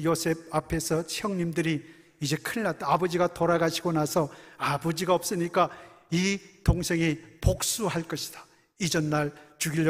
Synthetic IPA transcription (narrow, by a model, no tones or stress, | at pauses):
josʰe̞b̚apʰe̞sʰʌt͡ɕʰjʌŋɲimdɯɾiː | d͡ʑe̞kʰɯɭːat̚t͈aabʌd͡ʑiɡatoɾaɡaɕʰiɡonasʰʌabʌd͡ʑiɡaʌp̚s͈ɯɲik͈aitoŋsʰe̞ŋipok̚s͈uɦaɭk͈ʌɕʰi̥d̥ḁ | id͡ʑʌnːaɭt͡ɕuɡiʎːʌ